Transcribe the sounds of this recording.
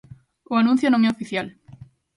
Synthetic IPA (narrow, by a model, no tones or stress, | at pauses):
oanũn̟θjonõŋesofiθjal